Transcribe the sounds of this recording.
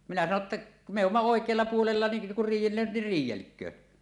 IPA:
minæ sɑno tːɑ meˑ umːɑ oˑekˑeɑlːɑ puolelːɑ ni kur riːjˑelːøːt nir riːjˑelkˑøː

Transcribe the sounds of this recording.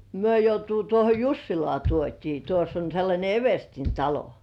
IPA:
myø joutuː tuoho jusːilŏɑˑ tuotʲiː tuosː on̞ selːɑnʲe eʋerstin tɑlo

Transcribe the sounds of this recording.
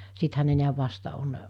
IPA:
sithæ ne niæʋ ʋɑstɑ on

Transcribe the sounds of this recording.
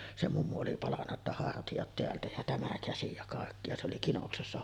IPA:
se mumːu oli pɑlɑnːɑ tːɑ hɑrtijɑt teæltæ jɑ tæmæ kæsi jɑ kɑˑekːi jɑ se oli kinoksesːɑ

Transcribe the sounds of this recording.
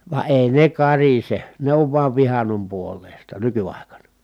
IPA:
ʋɑ eˑi ne kɑrise ne oʋ ʋuɑʋ ʋihɑnːom puolˑeˑi̯stɑ nykyɑˑi̯kɑnɑ

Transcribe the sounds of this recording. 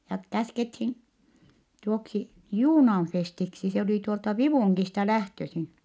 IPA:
jɑ kæskethin tuoksi juːnɑːn festiksi se oli tuoltɑ ʋiʋuˑŋkistɑ læhtøsin

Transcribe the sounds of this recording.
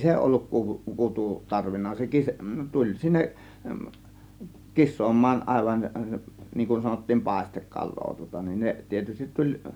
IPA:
se olːuk kuʋu kutu tɑrʋinːɑ se kis tulʲ sinːeʔ kisˑoːmˑɑːn ɑˑe̝ʋɑn niːŋ kun sɑnotːiːm pɑˑe̝stekːɑlˑoː tŭŏtɑ nin ne tietystit tulʲ

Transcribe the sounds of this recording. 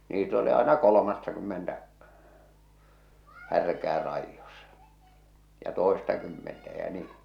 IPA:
niːt oli ɑenɑ kolomɑtːɑkymːentæ hærkæː rɑijːosɑ̥ jɑ toˑestɑkymːentæ jæ niː

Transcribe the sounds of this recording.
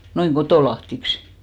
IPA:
noiŋ kotoˑlɑhtiks

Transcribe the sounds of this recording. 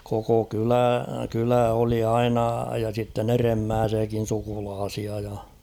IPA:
koko kylæ kylæ oli ɑinɑ jɑ sitːen eremːæːsiækin̞ sukulɑːsiɑ jɑ

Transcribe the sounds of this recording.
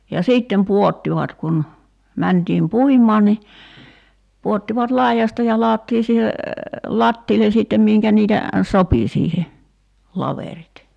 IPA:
jɑ siːtːem puotːiʋɑt kun mæntiːm puimˑɑːn ni puotːiʋɑt lɑijɑstɑ jɑ lɑɔtːiː siːhe lɑtːiːlen̞ siˑtːem miŋkæ niːtæ sopi siːhe lɑʋerit

